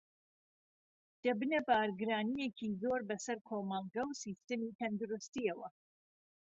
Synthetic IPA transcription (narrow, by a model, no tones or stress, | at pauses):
d̪̥ɐbɨnɐbaːɾɡɨɾaːnijekʰizoːɾbɐsɐɾkʰoːmɑlˠɡɐwsist̪ɨmit̪ʰɐnd̪ʊɾust̪iɐwɐ